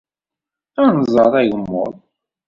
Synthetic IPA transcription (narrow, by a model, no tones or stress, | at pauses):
ænzˤɑðˤæʝəmːʊ̰ðˤ